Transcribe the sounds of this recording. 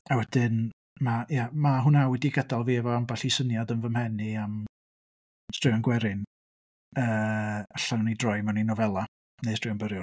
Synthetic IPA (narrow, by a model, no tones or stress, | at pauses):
awɛd̥ɪn | majamaɦʊnawɛdiɡədalˠviɛvɔambaɬisənjadənvəmhɛniam | strɪɔnɡwɛɾɪn | əːəɬannidrɔjmaninɔvɛlˠa | nejstrɪɔnbəɾjʊ